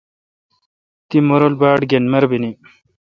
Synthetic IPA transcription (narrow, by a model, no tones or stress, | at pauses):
t̪imoɾolbaːɖɡenmɐɾbini